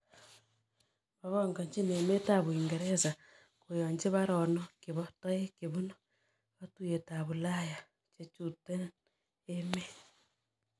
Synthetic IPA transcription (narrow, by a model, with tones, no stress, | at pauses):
βa˦βoŋɡa˨ɲt͡ʃi˦ne˨me˦ta˦βwi˨ŋɡe˨ɾe˦sa | kujoɲd͡ʒe˦βa˦ɾo˨no˦kiβoto˦je˦keβu˦no | βatuje˨ta˨βu˨la˦ja | t͡ʃe˦t͡ʃute˦n | eme˦